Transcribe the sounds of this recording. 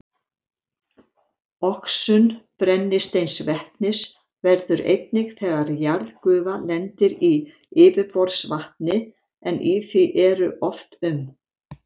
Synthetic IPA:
ɔksʏnpɾɛnːɪst̪ejnsvɛht̪nɪs | vɛɾðʏɾʔḛjt̪nɪkθɛːɣaɾjaɾðkʏːvalɛnt̪ɪɾi | ɪːvɪfɔɾsvaht̪nɪ | ɛnʔiθiʔɛɾʏʔɔft̪ʏm

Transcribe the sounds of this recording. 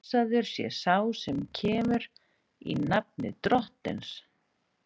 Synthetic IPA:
saðʏɾ̥sjɛ̰saːwsɛmcʰɛːmʏɾ | ḭnap̚nɪ̰t̪ɾɔht̪ɪ̰ns

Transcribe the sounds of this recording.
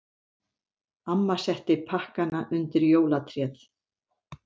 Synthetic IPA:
amːasɛht̪ɪpʰahkanaʔʏnt̪ɪɾjoːwlat̪ʰɾjɛθ

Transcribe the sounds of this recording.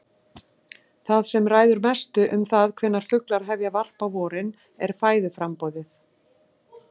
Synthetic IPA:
θaðsɛmraːjðʏɾmɛst̪ʏʔʏmθaðkʰv̥ɛnːaɾ̥fʏklaɾ̥ɦɛvjavar̥pavɔːɾɪn | ɛɾ̥faːjðʏfɾampɔːðɪθ

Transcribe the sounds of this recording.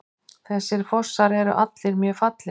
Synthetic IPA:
θɛsːɪɾ̥fɔr̥saɾɛɾʏ̰ʔat̪lɪɾmjœːfat̪lɪ

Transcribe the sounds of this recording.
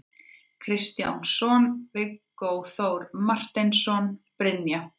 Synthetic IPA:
kʰɾɪst̪ja̰wnsɔnvɪkːowθowɾmar̥t̪ɪnsɔnpɾɪnːja

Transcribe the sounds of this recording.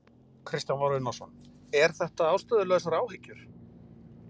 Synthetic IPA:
kʰɾɪst̪janvaɾʏnasɔ̰n | ɛɾ̥θɛht̪aaːwst̪œðʏlɛɣs̬aɾaːwhɪcːʏɾ̥

